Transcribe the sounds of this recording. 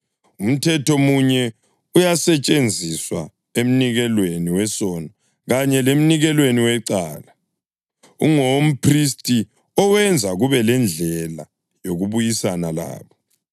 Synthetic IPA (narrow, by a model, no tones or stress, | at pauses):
um̩tʰɛtʰomuɲɛ | ujasɛt͡ʃʼend͡zʱiswa̰ | em̩niɣɛlweniwɛsɔnɔ | ɣaɲɛlem̩niɣɛlweniwɛǀaːla | uŋom̩pʰristʼi | ɔwɛnd͡zʱaɣuβɛlɛnd͡ɮʱɛla̰ | joɣuβujisanala̰ːβɔ